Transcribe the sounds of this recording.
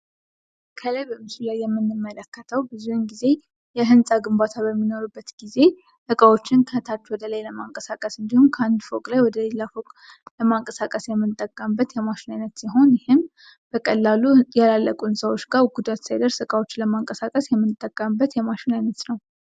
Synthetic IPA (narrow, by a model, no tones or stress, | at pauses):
kʰələjbəmɨsulajːɛmːɨnːɨmːələkːət̪ʰəwbɨzuhɨnɡize̞ | jɛɦɨnsʼaɡɨmbat̪ʰaβəmːino̞ɾubːət̪ɡ̥ize̞ | sɨkʼawot͡ʃːɪnkʰəht̪ʰat͡ʃːwɔd̪ələjləmaŋkʼəsakʼəsɨnd̪ihumkʰəand̪fokʼlajwɔd̪əlelːafo̞kʼ | ləmaŋkʼəsakʼəsjɛmːɨnt̪ʼːəkʼːəmbːət̪jɛmaʃɪnajnət̪siɦo̞njɪhɪm | b̥əkʼəlːalujalalːəkʼuɨnsʼawo̞t͡ʃːɡaɡud̪at̪sajd̪əɾsɨkʼawo̞t͡ʃːləmaŋkʼəsakʼəsjɛmːɨnt̪ʼːəkʼːəmbːət̪jɛmaʃɪnajnət̪nəw